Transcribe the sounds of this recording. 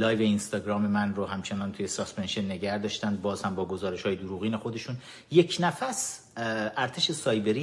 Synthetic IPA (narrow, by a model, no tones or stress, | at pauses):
lɒːjveinst̪ɒːɡɾɒːme̞mænrohæmt͡ʃʰe̞nɒːnt̪ʰuje̞sɒspenʃenːe̞ɟæhd̪ɒːʃt̪ænd̪̚bɒːz̥hæmbɒːɡo̞zɒːɾeʃhɒːjed̪oɾuːɣiːne̞xo̞d̪e̞ʃun | je̞cʰnæfæs | ʔæɾt̪ʰe̞ʃe̞sɒːjbe̞ɾi